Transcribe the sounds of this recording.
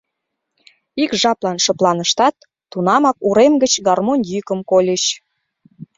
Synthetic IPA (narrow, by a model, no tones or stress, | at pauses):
ikʒɑplɑnʃə̆plɑnəʃt̪ɑt̪̚ː | unɑmɑkuɾemɡət͡ɕɡɑrmonʲjykə̆mkolʲəɕ